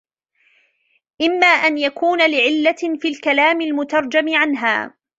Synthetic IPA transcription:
ʔɪmːaːʔanjakuːnalɪʕɪlːafiːlkalaːmɪlmʊt̪ɑɾˤd͡ʒamɪʕanɦa̰ː

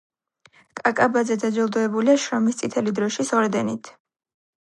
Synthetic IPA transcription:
kʼakʼabazɛd̪ad͡ʒɛlˠd̪ɔɛbuliaʃɾɔmist̪sʼit̪ʰɛlid̪ɾɔʃisɔɾd̪ɛnit̪ʰ

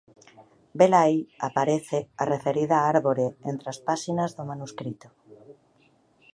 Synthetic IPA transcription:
belajapaɾeθearefeɾiðaaɾβoɾeent̪ɾeaspasinazðomanuskɾit̪o

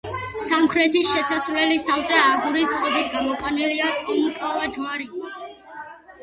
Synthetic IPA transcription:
samkʰɾɛt̪ʰisʃɛsasvlɛlist̪ʰavzɛaɡuɾist̪qʼɔbit̪ʰɡamɔqʼwaniliat̪ʼɔmkʼavad͡ʒvaɾi

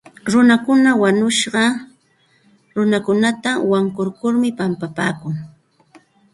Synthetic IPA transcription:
ɾʊnakʊnawaɲʊʃɢɑ | ɾʊnakʊnat̪awaŋkʊɾkʊɾmɪpampapaːkʊŋ

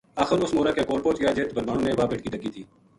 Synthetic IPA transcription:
aːxəɾʊsmoːɾaːkekoːlpõːt͡ʃɡəjaːd͡ʒɪːt̪bʱəɾmaːnõːneʋaːbɪʈ̚kiːd̪əɡiːt̪ʰiː

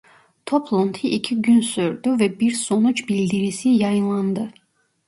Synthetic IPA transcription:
t̪ʰopʰlˠont̪ʰiʔicʰiɟynsøɾd̪yvɛbiɾsonut͡ʃʰbilʲd̪iɾisijɑjɯnlˠɑnd̪ɯ

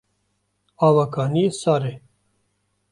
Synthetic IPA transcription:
ɑːvakɑːniesaːɾe

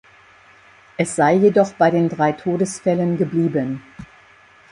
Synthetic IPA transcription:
ʔɛsz̥aɪjedɔχb̥aɪdeːndʁaɪtʰoːdəsfɛlənɡəbliːbən

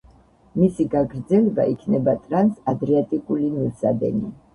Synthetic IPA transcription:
misiɡaɡɾd̪zɛlɛba̰ʔikʰnɛbat̪ʼɾansad̪ɾɛat̪ʼikʼulimiɾsa̰d̪ɛ̰ni

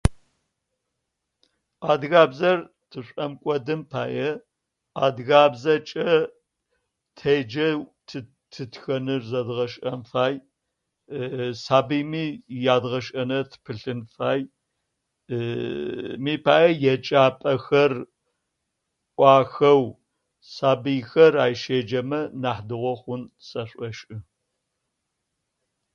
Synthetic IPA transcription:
aːdɣaːbzɐr | tʰɨɕʷʼɐmkʷʼɔdɨmpʰaːjɐ | aːdɣaːbzɐt͡ʃʼɐ | tʰejd͡ʒɐtʰɨ | tʰɨtʰxɐnɨrzɐdʁɐʃʼɐmfaːj | saːbɨjmiːjaːdʁɐʃʼɐnɐtʰpʰɨɬɨnfaːj | miːpʰaːʔɐjɛt͡ʃʼaːpʼɐxɐr | ʔʷʼɑːxɐw | saːbɨjxɐraːjʃeːd͡ʒɐmɐnaːħdɨʁʷɔχʷʊnsʼɐɕʷʼɔʃʼɨ

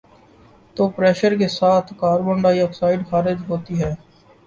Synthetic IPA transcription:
t̪oːpɾɛːʃəɾk̬esaːt̪ʰkaːɾbə̃ɳɖaːiəkpsaːɪɖxaːɾɪd͡ʒɦoːt̪iɦɛː

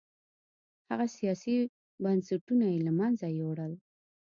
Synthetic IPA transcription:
haɣasijɑsi | bansaʈunajelamanzajoɽəl

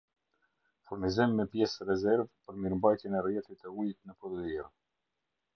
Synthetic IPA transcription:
fuɾnizimːɛpjɛsrɛzɛɾvpəɾmiɾmbajt̪jɛnɛrjɛt̪it̪əujt̪nəpɾɔd̪ədir

